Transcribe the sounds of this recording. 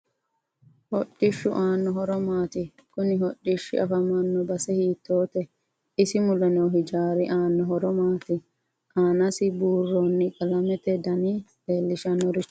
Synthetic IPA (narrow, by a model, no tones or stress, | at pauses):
hɔɗːɪʃːʊ̰ʔaːnːɔɦɔɾɔmaːt̪ɪ | kʊnɪhɔɗːɪʃːɪʔɐfɐmɐnːɔbɐsɛhiːt̪ʰːoːt̪ɛ | ɪsɪmʊlɐnɔwhɪd͡ʒaːɾɪʔaːnːɔɦɔɾɔmaːt̪ɪ | ʔaːnɐsɪbuːrːoːnːɪkʼɐlɐmɛt̪ɛd̪ɐni | eːlːɪʃɐnːɔɾɪ